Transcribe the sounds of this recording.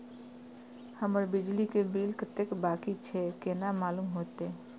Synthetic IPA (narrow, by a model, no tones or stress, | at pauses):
həməɾbid͡ʒlikebɾilkət̪ːekbakit͡ʃʰekenamalumɦot̪e